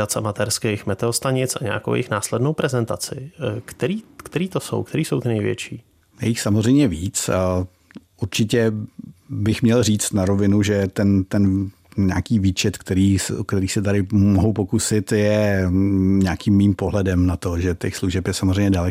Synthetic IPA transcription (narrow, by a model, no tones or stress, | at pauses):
at͡samat̪ɛɾskɛjxmɛt̪ɛost̪aɲɪt͡sʔa̰ɲa̰ːko̰wjɪ̰xnaːslɛdnowpɾɛzɛnt̪a̰t͡sɪ̰kt̪ɛɾiːkt̪ɛɾiːt̪oso̞̰wkt̪ɛɾiːsowt̪ɪnɛjvjɛ̰t͡ʃḭː | jɛjɪxsamozr̝ɛjmɲɛviːt͡s | ʔuɾt͡ʃɪcɛ | bɪxmɲɛlriːt͡st̪naɾo̞vɪnuʒɛt̪ɛnt̪ɛn | ɲaːkiːviːt͡ʃɛt̪kt̪ɛɾiːskt̪ɛɾiːsɛt̪aɾɪmoɦowpo̞kusɪt̪jɛ | ɲaːkiːmːiːmpoɦlɛdɛmnat̪o̞ʒɛtɛxsluʒɛpjɛsamozrɛjɲɛdalɛ